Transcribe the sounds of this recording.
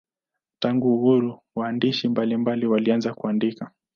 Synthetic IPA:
taŋɡuːhuɾuwaːndiʃimbalimbaliwalianzakuandika

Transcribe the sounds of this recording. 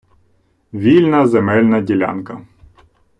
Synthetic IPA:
ʋʲilʲnɐzemɛlʲnɐdʲilʲa̰nkɐ

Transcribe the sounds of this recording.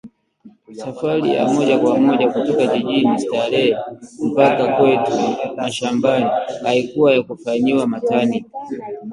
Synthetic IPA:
safaɾḭja̰mɔʄakwamɔʄakutɔkaʄiʄinistaɾɛm̩pakakwɛtunaʃambaniaikuwajakufaɲiwamatani

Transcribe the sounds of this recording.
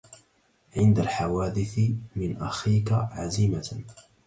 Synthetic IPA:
ʕɪnd̪alħawaːd̪ɪθmɪnʔa̰xiːkaʕaziːma

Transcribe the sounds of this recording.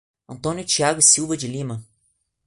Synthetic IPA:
ɐ̃nt̪õnjʊt͡ʃiaɡʊsiwvɐd͡ʒɪlimɐ

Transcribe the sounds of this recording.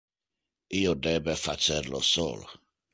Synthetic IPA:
ijodɛbɛfat͡sɛɾlɔ̰sɔ̰l

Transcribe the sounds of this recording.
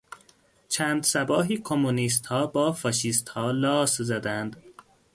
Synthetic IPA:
t͡ʃʰæːnd̪sæbɒːɦiːkʰomːuniːst̪hɒːbɒːfɒːʃiːst̪hɒːlɒːszæd̪ænd̪

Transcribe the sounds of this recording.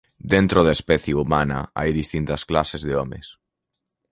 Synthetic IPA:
d̪ent̪ɾoðaespɛθjeumanɐ̰a̰jðist̪int̪ɐsklasezðɪɔmɪ̰s

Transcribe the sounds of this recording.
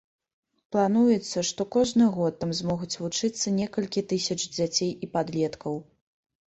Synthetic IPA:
plˠan̪ujɛt̪sːɐʂt̪ɔkɔʐnɨɣɔt̪ːamzmɔɣut͡sʲvut͡ʂɨt̪sːɐnʲɛkɐlʲkʲit̪ɨsʲɐt͡ʂd͡zʲat͡sʲejipad̪lʲɛt̪kɐw

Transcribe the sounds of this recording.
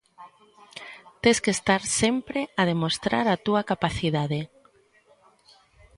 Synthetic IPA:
t̪eskest̪aɾsempɾeað̞emost̪ɾa̰ɾat̪uakapaθiðaðe

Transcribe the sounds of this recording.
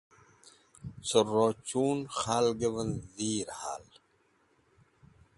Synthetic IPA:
soɾoːt͡ɕuːnxaːlɡewɐnziːɾha̰ːl

